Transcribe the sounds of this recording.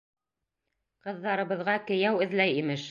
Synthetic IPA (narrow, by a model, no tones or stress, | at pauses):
qɤ̆ðːɑɾɤ̆βɤ̆ðʁɑkɘ̆jæwɘ̆ðlæjimɘʃ